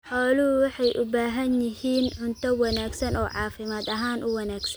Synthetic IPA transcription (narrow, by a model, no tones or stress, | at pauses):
ħɔːlʊʊwɑħɑjʔʊbaːɦɐnjɪɦiːnʕʊnt̪ʰɐwɑnaːɡsɐnɔːʕɑːfɪmaːd̪ɐɦaːnʔʊwɐnaːɡsɐn